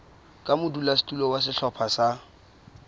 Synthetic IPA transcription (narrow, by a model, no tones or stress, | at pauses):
kʼamʊdulastʼulɔwas̬ɪɬɔpʰasa